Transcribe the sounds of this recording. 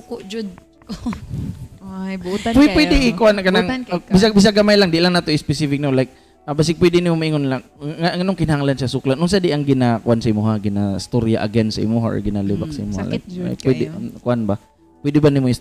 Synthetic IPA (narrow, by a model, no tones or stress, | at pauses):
kʊʔd͡ʒʊd̪̚ | ajbt̪apɛpwɛd̪ɪɪkʊʔankanaŋbisabis̬aɡamajlaŋd̪ɪʔlaŋnat̪oɪspɛsifɪk̚nimolajk̚ | abas̬ɪpwɛd̪ɪnimomaiŋonlaŋaŋanoŋkɪnahaŋlanʃasʊklanʔʊns̬ad̪ɪʔaŋɡɪnakʊʔansaimuɦaɡɪnast̪oɾja̰ʔɐ̰ɡɛnsaɪ̰muɦa̰ʔɡɪnalɪbaksaɪ̰mua̰lʔa̰jk̚a̰pwɛd̪ɪkʊʔanba | pwɛd̪ɪbanimoɪs